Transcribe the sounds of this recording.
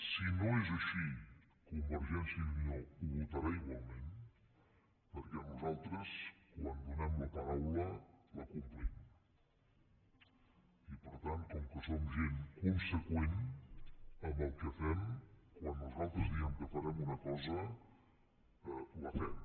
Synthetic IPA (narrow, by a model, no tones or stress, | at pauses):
sinoezəʃi | kumbəɾʒɛnsiəniouβut̪əɾaiɣwalˠmen | pəɾkɛnuzalˠt̪ɾəskwand̪unɛmləpəɾawlələkumpɾim | ipəɾt̪ant̪kɔŋkəsomʒenkunsəkwen | əmbəlˠkəfɛmkwanːuzalˠt̪ɾəzðiɛmkəfəɾɛmunəkɔzə | ləfɛm